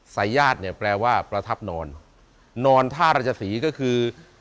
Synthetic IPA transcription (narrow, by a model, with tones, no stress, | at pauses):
saː˩˦jaː˥˩t̪̚ni˥˩ɐpɾɛː˧waː˥˩pɾa˧t̪ʰa˦˥˩p̚nɔː˧nː | ɔː˧nt̪ʰaː˥˩ɾaː˧˩t͡ɕʰːa˧siː˩˦kɔː˥˩kʰɯː˧